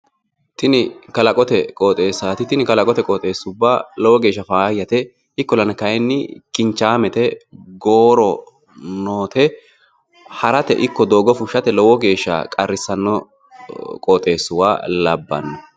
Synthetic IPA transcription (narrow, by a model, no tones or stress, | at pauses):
t̪ɪnɪkɐlɐkʼɔt̪ɛkʼoːt̪ʼe̞ːsːaːt̪ɪt̪ɪnɪkɐlɐkʼɔt̪ɛkʼɔt̪ʼe̞ːsːʊbːalɔwɔɡe̞ːʃːɐfaːjːɐt̪ɛ | ɪkːɔlɐnɐkɐjɛnːɪkɪnt͡ʃːaːmɛt̪ɛɡoːɾɔ | noːt̪ʰɛ | hɐɾɐt̪ɛ̰ʔɪkːɔd̪o̞ːɡɔfʊʃːɐt̪ɛlɔwɔɡe̞ːʃːa̰kʼɐrːɪsːɐnːɔ | kʼɔt̪ʼe̞ːsːʊwa̰ːlɐbːɐ̰nːɔ